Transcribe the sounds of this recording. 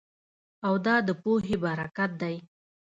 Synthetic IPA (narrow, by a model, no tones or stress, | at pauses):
awd̪ɑd̪əpoɦebaɾakat̪̚d̪aj